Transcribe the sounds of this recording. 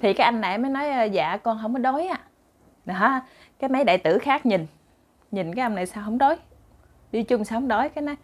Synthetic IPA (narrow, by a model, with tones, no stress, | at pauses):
t̪ʰi˨˩kaː˨˦jʔa˧ŋna̰˨jməː˨˦jnɔ˨˦jʔːza̰ː˧˨kɔ˧nɦə˧˩wŋ͡mkɔ˨˦ɗo˨˦jʔaː˧˦ | ɗ | kaː˨˦jna˨˦jɗa̰ː˧˨jt̪ɨ˧˩xaː˦˥k̚ɲi˨˩n | ɲï˨˩nkaː˨˦jʔə˧wŋ͡mna˨˩jsaː˧wɦə˧wŋ͡mɗo˨˦j | ɗi˧t͡ɕʊ˧ŋ͡msaː˨˦ŋ͡mɗo˨˦jkaː˨˦jna˨˦j